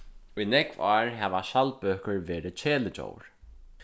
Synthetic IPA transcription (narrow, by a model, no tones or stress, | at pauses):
ujnɛkvaːɹɦɛʋaʃalpøːkəɹʋeːɾɪt͡ɕʰeːlɪt͡ɕo̰ːwɹ